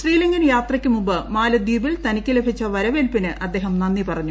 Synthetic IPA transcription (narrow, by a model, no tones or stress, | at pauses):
ʂriːliŋɡinjaːt̪rɐkʲːɨmumbɨmaːlɐd̪iːbilt̪ɐnikʲːilebʱit͡ɕːɐʋɐɾɐʋelpinɨʔɐd̪ːe̞ːɦɐmnɐnːipɐrɐɲːu